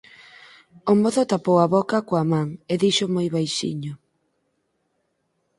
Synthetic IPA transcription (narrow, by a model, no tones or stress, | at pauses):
omoθʊt̪apowaβɔkɐkoamaŋeðiʃʊmojβajʃḭɲʊ